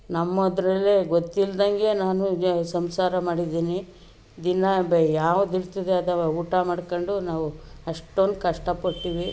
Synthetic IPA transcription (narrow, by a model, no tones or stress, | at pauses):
nɐmːɐɐd̪ɾɐlːeɡot̪ːild̪ɐŋɡe̞naːnusɐmsaːɾɐmaːɽid̪iːni | d̪inɐjaːʋud̪iɾt̪id̪eɐd̪ɐuːʈɐmaːɽkoɳɖunaːʋuɐʂʈond̪ukɐʂʈɐpɐʈːiːʋi